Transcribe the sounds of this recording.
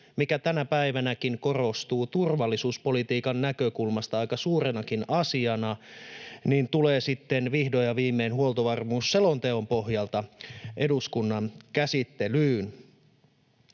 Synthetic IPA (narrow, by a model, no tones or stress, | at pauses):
mikæt̪ænæpæjʋænækiŋko̞ro̞st̪uːt̪urʋɑlːisuːspo̞lit̪iːkɑnːækøkulmɑst̪ɑɑjkɑsuːɾenɑkinɑsiɑnɑ | niːnt̪ule̞ːsit̪ːe̞nʋihdo̞jɑʋiːmːeːnhuolt̪oʋɑrmuːsːe̞lo̞nt̪e̞ompo̞ɦjɑlt̪ɑʔe̞duskunːɑnkæsit̪ːe̞lyːn